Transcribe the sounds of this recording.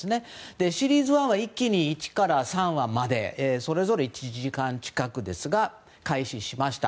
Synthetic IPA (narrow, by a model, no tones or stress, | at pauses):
sɨne̞d̪̥e̞ɕiɾʲiːzɨβãɰ̃βaikʲːiɲ̟iːt͡ɕi̥kaɾasãɰ̃βamad̪e̞̰eso̞ɾe̞zo̞ɾeit͡ɕiʑikãɲt͡ɕi̥kakɯ̟d̪e̞sɨɡa | kaiɕiɕimaɕi̥t̪a